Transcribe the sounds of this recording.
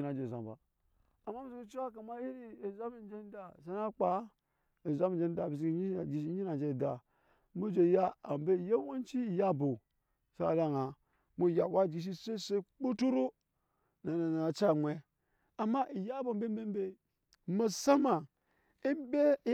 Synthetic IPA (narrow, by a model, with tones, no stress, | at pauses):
na˨d͡ʒe˨za˨ba̰˨ | a˨mːa˦mi˦zi˦ki˦t͡ʃi˦wa˦ka˨ma˦ji˦ɾi˦e˨za˦mi˨n˦d͡ʒe˦n˦da˨s̬a˦na˦k͡pa˨˦ | i˨za˦mi˨d͡ʒe˦n˦da˨bi˨s̬i˦ki˦ɲi˦˨d͡ʒi˨ʃi˦i˦na˨d͡ʒe˦˨da˨ | mu˦d͡ʒo˨ja˦a˨m˨be˦˨je˦wo˦n˦t͡ʃi˦i˨ja˦bo˨ | sa˦a˨da˦ŋa˨ | mu˦˨ja˨bʷa˦˨d͡ʒi˨ʃ̬i˦se˦se˦k͡pu˦tu˦ɾo˦ | na˨na˨na˨a˨t͡ʃa˦˨ŋʷe˨ | a˨mːa˦ʔi˨ja˦bo˨m˦be˦m˦be˦m˦be˦ | ma˨sa˦ma˨ | i˦mbe˦